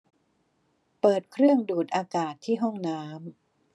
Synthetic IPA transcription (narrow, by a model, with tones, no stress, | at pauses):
pɤː˨˩t̪̚kʰɾɯ˥˩əŋduː˨˩t̪̚ʔaː˧kaː˨˩t̪ʰːiː˥˩ɦɔ˥˩ŋnaː˦˥m